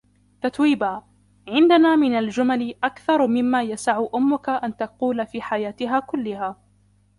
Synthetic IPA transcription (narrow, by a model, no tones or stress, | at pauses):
t̪at̪wiːbaː | ʕɪnd̪anaːmɪnald͡ʒʊmalɪʔakθɑɾˤmɪmːaːjasaʕʔʊmːʊkaʔant̪aquːlafiːħajaːt̪ɪɦaːkʊlːɪhaː